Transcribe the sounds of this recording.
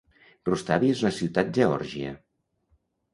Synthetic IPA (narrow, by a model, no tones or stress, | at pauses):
rust̪aβiezunəsiwt̪at̪̚ʒeɔ̰ɾʒiə̰